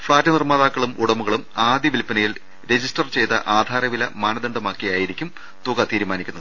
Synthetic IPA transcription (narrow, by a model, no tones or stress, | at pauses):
fɭaːtːɨnirmaːðaːkːɐɭumuɽɐmuɣɐɭumaːd̪jɐʋilpːɐnɐjil | ɾe̞d͡ʑisʈɐrt͡ɕe̞jt̪ɐ̰ʔaːd̪ʱaːɾɐʋilɐmaːnɐd̪ɐɳɖɐmaːkːijaːjiɾikʲːum | t̪uɣɐt̪iːɾumaːnikʲːunːɐðɨ